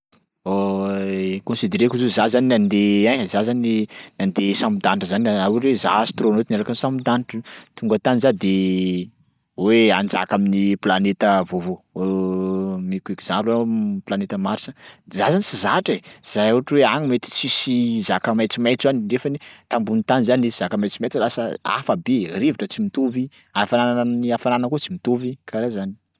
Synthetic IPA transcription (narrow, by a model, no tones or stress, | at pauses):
o | kõnsid̪eɾekuzozazaninand̪eazazaninand̪esambud̪anʈ͡ʂəzanaawɾeza̰st̪ronot̪inaɾakamsamid̪anʈ͡ʂət̪uŋɡat̪anizad̪e | weand͡za̰kaminiplanet̪əvovo | mikʲuekiz̥ãplaplanet̪əmaɾsə̥zazanisizaʈ͡ʂez̥ajuaʈ͡ʂiweaɲimet̪i̥t͡sisizakəmajt͡simajt͡szanirefanit̪ambunit̪anizaniiz̥akamajt͡simajt͡sulasə̰a̰fabeɾeviʈ͡ʂət͡simit̪ovi | afananaaniafananakut͡simit̪ovikʰaɾazani̥